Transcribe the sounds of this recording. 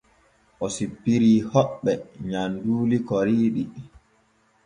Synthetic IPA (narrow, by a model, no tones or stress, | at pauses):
ʔɔsipːiɾiːhɔɓːɛɲanduːlikɔɾiːɗi